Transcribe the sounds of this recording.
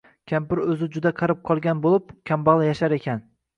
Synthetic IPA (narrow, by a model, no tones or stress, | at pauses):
kʲʰampɪɾɵzɪd͡ʒʊd̪aqʰɑɾɪp̚qʰɒlˠɡʲanbolˠɪp̚kʲʰambɑlˠajaʃaɾe̞kʲʰan